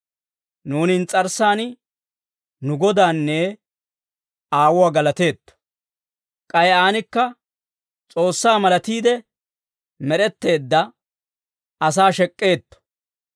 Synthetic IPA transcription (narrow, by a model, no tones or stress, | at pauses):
nuːnɪnt͡sʼɐɾsaːnɪ | nʊɡɔd̪aːnːe | aːwʊwaːɡɐlɐt̪e̞ːt̪ːɔ̥ | kʼɐjaːnɪkːɐ | t͡sʼo̞ːsːaːmɐlɐt̪iːd̪ɛ | mɛɾɛt̪ːe̞ːd̪ːɐ | ʔɐs̬aːʃɛkʼːe̞ːt̪ːɔ̥